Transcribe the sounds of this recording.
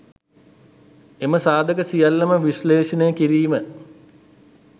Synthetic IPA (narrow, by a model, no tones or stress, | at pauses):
eməsaːd̪ʱəkəsijalːɐməʋiʃleːʃɐnejəkiɾiːmə